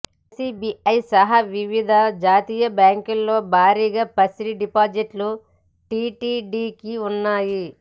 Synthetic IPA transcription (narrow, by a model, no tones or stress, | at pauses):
sibiɐjsɐɦɐʋiʋid̪ʱɐd͡ʒaːt̪iːjɐbjaːŋkulːoːbʱaːɾiːɡaːpɐsɾiɖipaːd͡ʒiʈlu | ʈiːʈiːɖiːkiunːaːji